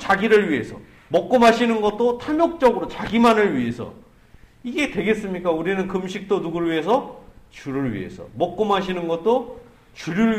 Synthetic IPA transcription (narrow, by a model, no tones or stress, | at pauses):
t͡ɕaɡiɾɯɭɥie̞sʰʌ̰ | mʌk̚k͈ʌmɦaɕʰinɯnɡʌt̚t͈otʰamok̚t͡ɕ͈ʌɡɯɾot͡ɕaɡimanɯɭɥiɦe̞sʰʌ̰ | iɡe̞twe̞ɡe̞s͈ɯmɲik͈auɾinɯnkɯmɕ̬ʰik̚t͈onuɡɯɭɥiɦe̞s̬ʰʌt͡ɕuɾɯɭɥḭe̞̰sʰʌ̰mʌk̚k͈omɦaɕʰinɯnɡʌt̚t͈o | t͡ɕuɾuɭ